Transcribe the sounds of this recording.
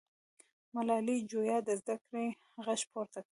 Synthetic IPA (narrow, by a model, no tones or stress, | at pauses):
malɑlid͡ʒojɑd̪əzd̪akɾe | ɣaʃpʰoɾt̪ak